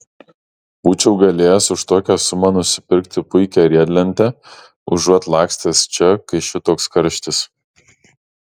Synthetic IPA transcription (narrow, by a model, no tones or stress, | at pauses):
buːt͡ʃʲɛʊɡɐlʲeːjɛsʊʃt̪oːkʲæsʊmɐnʊsʲɪpʲɪɾʲkt̪ʲɪpʊɪkʲæɾʲiɛd̪ʲlʲɛnʲt̪ʲɛ | ʊʒuɔt̪lˠɑːksʲt̪ʲest͡ʃʲɛkɐɪʃʲɪt̪oːkskɐɾʲʃʲt̪ʲɪs